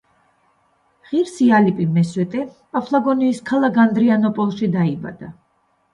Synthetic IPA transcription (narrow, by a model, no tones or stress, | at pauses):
ʁiɾsialipʼimɛswɛt̪ʼɛpʼapʰlˠaɡɔniːskʰalˠaɡand̪ɾianɔpʼɔlˠʃid̪aiba̰d̪̥a